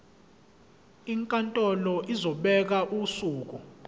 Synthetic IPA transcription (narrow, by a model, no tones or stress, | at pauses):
iŋkʼantʼɔlɔʔizɔɓɛk̬aʔusuːk̬u